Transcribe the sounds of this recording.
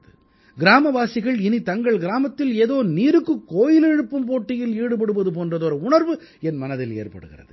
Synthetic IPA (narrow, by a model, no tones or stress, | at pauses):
ðɯ | ɡɪɾaːmɐʋaːsɪɣɐɭɪnit̪ɐŋɡɐɭɡɪɾaːmɐt̪ːɪleːðoːniːɾɯkːɯkːoːjɪlɛɻɯpːɯmpoːʈːɪjɪliːɽɯp̬ɐɽɯpɐðɯp̬oːndrɐðoːɾɐʊɳɐɾʋɯ | ɛnmɐnɐðɪlḛːrpɐ̰ɽɯ̰ɣɪ̰rɐ̰ðɯ̰